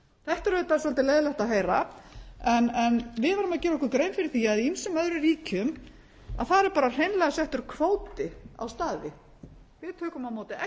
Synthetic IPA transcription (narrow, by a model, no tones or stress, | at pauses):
θɛht̪aɾʏːt̪asɔlt̪ɪleːjðʏlɛht̪aɦeːjɾa | ɛnɛnvɪðvɛɾʏmacɛːɾɔkʏɾkɾejmfɪɾɪɾθiaðiinsʏmœðɾʏɾiːcʏm | a̰ðθaɛɾpaːɾar̥ejnlɛɣasɛht̪ʏɾ̥kʰvoːwt̪ɪa̰wst̪aːðvɪ | vɪðt̪ʰœːkʏmawmoːwt̪ɪɛ